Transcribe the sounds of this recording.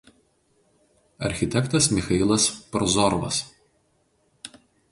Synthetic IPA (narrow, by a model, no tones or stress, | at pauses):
ɐ̰ɾʲxʲɪt̪ʲɛkt̪ɐsmʲɪxɐɪlˠɐspɾɔzɔɾʋɐ̰s